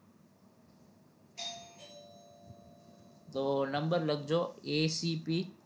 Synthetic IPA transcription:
d̪oːnəmbəɾləɡd͡ʑoːeːsiːpiː

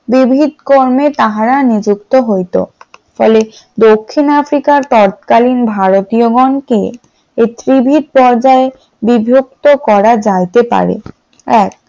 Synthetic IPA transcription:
bibʱid̪koɾmet̪aɦaɾanid͡ʑuk̚t̪oɦojt̪o̰fɔ̰le | d̪okʰːinafɾikaɾt̪ɔɾt̪̚kalinbʱaɾot̪ioɡɔnke | et̪ɾibʱid̪̚pɔɾd͡ʑae | bibʱjok̚t̪okɔɾad͡ʑajt̪epa̰ɾḛ | ɛk̚

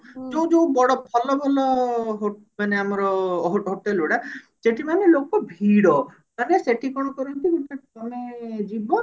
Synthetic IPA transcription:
d͡ʒoũd͡ʒowbɔɽɔpʰɔlɔbʱɔlɔɦo | maneamɔɾɔɦoɦoʈeluɽa | seʈimanelokɔbʱiɽɔ | kaneseʈikɔɽ̃ɔkɔɾɔnt̪ibikaʈkɔmed͡ʒibɔ

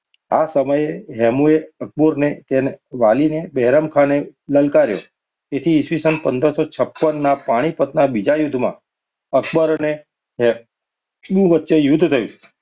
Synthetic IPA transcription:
a̰səməjeɦɛmueək̚buɾnet̪enʋalinebɛɦɾəmkʰãneləlkaɾjo̰ | et̪ʰiːsʋisənpənd̪əɾsɔt͡ʃʰəpːənːapaɽ̃ipət̪nabid͡ʒajud̪ʱmã̰ | əkbəɾne | ɦɛ | mũʋətːʃejʊd̪ʱt̪ʰəjṵ̃

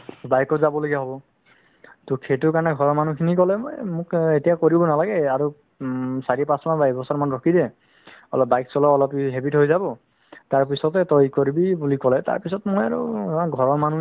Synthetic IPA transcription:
bajkɔzabɔloɡiaɦɔbɔ | tɔkʰetuɹkaɹnɛɡʱɔɹɔɹmanukʰinikɔlɛmɔ̰jmʊketijakoɹibɔnalaɡɛaɹu | saɹipasmanbajbɔsaɹmanɹɔkʰidɛ | ɔ̰lɔp̚bajksɔlɔɔlɔpiɦebithojzabɔ | taɹpisɔtɛtɔjkoɹibibulikɔlɛta̰ɹpisɔtmɔja̰ɹṵɡʱɔɹɔmanu

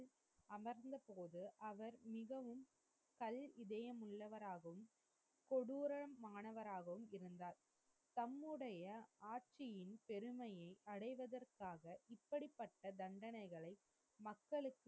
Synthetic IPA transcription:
ɐmɐɾnd̪ɐpoːðɯʔɐʋɐɾmɪɣɐʋɯm | kɐlɪðɐjɐmɯɭːɐʋɐɾaːɣɐʋɯm | kɔɽuːɾɐmːaːnɐʋɐɾaːɣɐʋɯmɪɾɯnd̪aːɾ | t̪ɐmːɯɽɐjɐaːʈ̚t͡ʃɪjɪnpɛɾɯmɐjɐɪʔɐɽɐɪʋɐðɐrkaːɣɐʔɪpːɐɽipːɐʈːɐd̪ɐɳɖɐnɐɪɣɐɭɐɪ | mɐkːɐɭɯkː

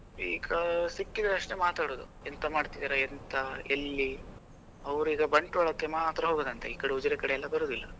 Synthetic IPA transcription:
ḭːɡɐsikːid̪ɐɐʂʈemaːt̪aːɽoːd̪ṵ | ent̪ɐmaːɖt̪id̪aːɾeent̪ʰɐelːi | ɐʋɾuiːɡɐbɐɳʈuʋɐɭɐkːemaːt̪ɾɐɦo̞ːɡoːd̪ɐnt̪ʰeiːkɐɽeud͡ʒɐɾekɐɽeɛlːɐbɐɾoːd̪ilːɐ

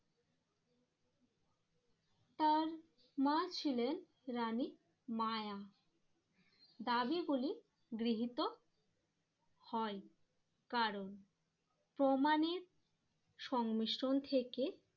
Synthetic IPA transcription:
t̪aɾ | mat͡ɕʰilen | ɾani | maja | d̪abiɡuli | ɡɾiɦit̪o | hɔe | kaɾon | pɾomaneɾ | ʃɔŋmiʃɾont̪ʰeke

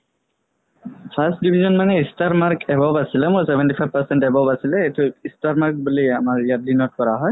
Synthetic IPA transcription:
pʰasdibʱizɔnmanɛistaɹmaɾkɛbɔbasilɛmuɹsɛbɛntifʰajb̚pasɛntɛbɔbasilɛetuistaɹmaɹk̚buliamaɹijadinɔt̚kɔɹaɦɔj

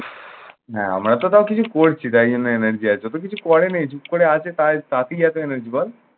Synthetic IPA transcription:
ɦɛ̰̃ɐ̰mɾat̪ot̪akit͡ʃʰukoːɽt͡ʃʰit̪aiunenəɾd͡ʒiat͡ʃot̪ok̬it͡ʃʰukɔɽenẽjt͡ʃʰukoɽeat͡ʃet̪at̪at̪ʰijat̪oenəɾd͡ʒibɔl

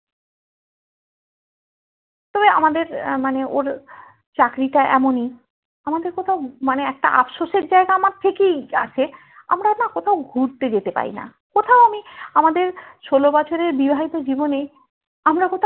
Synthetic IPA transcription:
t̪ɔbea̰mad̪eɾmaneʔoɾ | t͡ɕakɾiʈaʔɛ̰moni | amad̪eɾkot̪ʰaʊmaneɛk̚ʈa̰ʔa̰pʃoʃeɾd͡ʑaeɡaamaɾt̪ʰekeja̰t͡ɕʰe | a̰mɾanakot̪ʰaʊɡʱuɾt̪ed͡ʑet̪epa̰ɾḭna̰ | kot̪ʰaoamiamad̪eɾʃolobat͡ɕʰoɾeɾbibʱaɦit̪od͡ʑibone | amɾakot̪ʰ

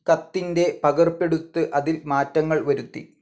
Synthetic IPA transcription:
kɐt̪ːinde̞pɐɣɐrpe̞ɽut̪ːɨʔɐðilmaːtːɐŋːɐɭʋɐɾut̪ːḭ

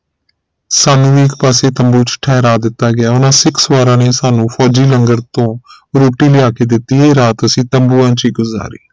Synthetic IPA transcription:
saːnũːiːkpaːseːt̪əmbuːt͡ʃʈʰɛːɾaːd̪ɪt̪ːaːɡɪaːʊnãːsɪksʋaːɾãːneːsaːnũːpʰɔːd͡ʒiːləŋɡəɾt̪õː | ɾoːʈiːlɪaːkeːd̪ɪt̪ːiːeːɾaːt̪əsĩːt̪əmbuːãːt͡ʃiːɡʊza̰ːɾḭː

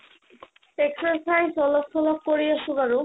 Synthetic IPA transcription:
eksoɾsajsɔloksɔlok̚koɾijaʃuɡaɾu

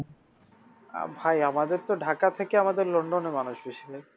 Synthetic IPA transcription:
a̰bʱajamad̪eɾt̪oɖʱakat̪ʰekeamad̪eɾloɳɖonemanuʃbiʃile

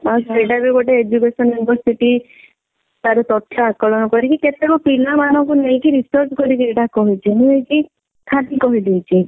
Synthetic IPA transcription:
aseɖabiɡɔʈeed͡ʒukesɔnjunibɔɾsiʈi | t̪aɾɔt̪ɔt̪ʰːɔakɔɭɔnɔkɔɾikiket̪ekɔpilamanɔŋkunejkiɾisɔɾt͡ʃkɔɾik̬ieʈakɔɦit͡ʃʰinũejki | kʰad̪ikɔɦid̪it͡ʃʰi

